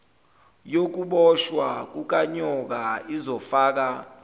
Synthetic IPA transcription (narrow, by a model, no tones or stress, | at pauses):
jok̬uɓɔʃwak̬uk̬ʼaɲɔk̬aizɔfaːk̬a